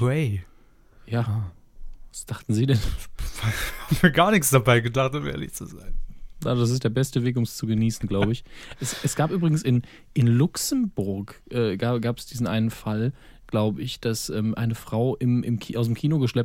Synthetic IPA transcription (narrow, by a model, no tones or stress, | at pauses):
wɛɪ | jaː | vasd̥aχtn̩ziːdɛnvahaːbmviːɐɡaːɐnɪçsd̥abaɪɡədaχtʊmʔḛːɐlɪ̰çt͡suza̰ɪnnaːdas̬ɪs̬td̥eːɐbɛstəveːkʊmst͡suɡəniːsn̩ɡlaʊbəɪçʔɛsɛsɡ̥aːpʔyːbʁɪɡŋ̩sɪn | ʔɪnlʊksm̩bʊɐkʔɛːɡaːɡaːpɛ̥sd̥iːzn̩ʔa̰ɪnənfal | ɡ̥laʊbəɪçd̥asʔɛːmʔa̰ɪnəfʁ̥aʊʔɪmɪ̰mkʰiːʔaʊs̬ɪmkʰiːnoɡəʃlɛp̚